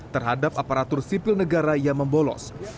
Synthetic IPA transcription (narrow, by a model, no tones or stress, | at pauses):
t̪ərɦadapapaɾat̪ʊrsipɪlnəɡaɾajaŋməmbolɔ̰s